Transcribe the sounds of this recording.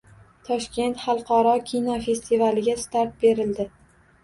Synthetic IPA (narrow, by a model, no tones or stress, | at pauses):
t̪ʰɒʃkʲe̞nt̪χɑlˠqʰɒɾɒkʲʰinɒfe̞st̪ʰivalɪɡʲast̪aɾt̪̚be̞ɾɪld̪ɪ